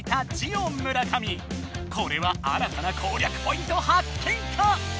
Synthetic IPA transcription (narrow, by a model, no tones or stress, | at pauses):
t̪at͡ɕiõmːɯ̟ɾakʰamʲi | kʰo̞ɾe̞βaa̰ɾat̪anakʰoːɾʲjakɯ̟̥po̞ĩnt̪o̞hakʰːeit̪ʰa